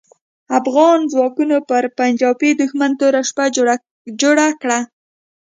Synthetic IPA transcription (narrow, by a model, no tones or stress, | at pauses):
afɣɑnd͡zwɑkunopəɾpand͡ʒɑwped̪ʊxmant̪oɾaʃpa | d͡ʒoɽakɽa